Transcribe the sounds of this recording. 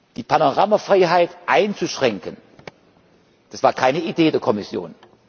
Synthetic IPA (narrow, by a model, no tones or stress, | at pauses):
d̥iːpʰanoʁaːmafʁ̥aɪɦaɪtʔaɪnt͡suʃʁ̥ɛŋkən | d̥asv̥aːɐkʰaɪnəideːdeːɐkʰɔmɪsjo̰ːn